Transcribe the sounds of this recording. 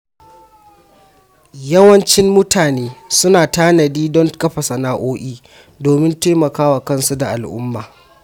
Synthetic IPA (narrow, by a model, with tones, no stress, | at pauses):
jɐ˦wɐ˦nt͡ʃɪ˦mːʊ˦tʰaː˨neː˦sʊ˦naː˨taː˦nɐ˨diː˦dɔ˦ŋkɐ˦ɸɐ˨sɐ˨naː˦ʔoː˦ʔʲiː˦ | doː˨mɪ˦nteː˦mɐ˨kaː˦waː˨kɐ˦nsu˦da˨ʔa˨lʔʊ̰˦mːaː˨